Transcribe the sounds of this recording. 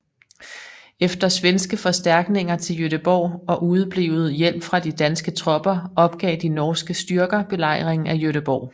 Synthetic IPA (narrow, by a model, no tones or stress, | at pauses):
efd̥ɐsʋensɡ̥əfɒ̽sd̥æɐ̰ɡ̥ne̝ŋɐt͡sʰe̝ljøɾəb̥ɒ̰ʊ̰ɒ̽ʔuːð̞ˠb̥liːʊð̞̩ˠjel̰b̥fʁɑ̈d̥id̥ænsɡ̥ət͡sʰʁɒ̽b̥ɐɒ̽b̥ɡ̥ɛ̰ːd̥inɒːsɡ̥əsd̥yɐɡ̥ɐb̥e̝lɑ̈ɪ̰ʁeŋ̩æjøɾəb̥ɒ̰ʊ̰